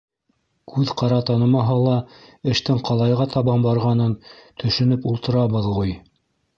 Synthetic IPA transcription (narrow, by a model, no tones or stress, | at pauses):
kʰʉðqɑɾɑt̪ɑnɤ̆mɑɦɑlˠɑɘ̆ʃt̪ɘɴqɑlˠɑjʁɑt̪ʰɑβɑmbɑɾʁɑnɤnt̪ɵ̆ʃɵ̆nɵpulˠt̪ɤ̆ɾɑβɤðʁuj